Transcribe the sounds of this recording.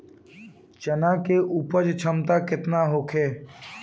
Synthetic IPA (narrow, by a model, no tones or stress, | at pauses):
t͡ʃənãkeʔuːpəɾd͡ʒt͡ʃʰəmt̪akɪt̪naɦoːkʰeː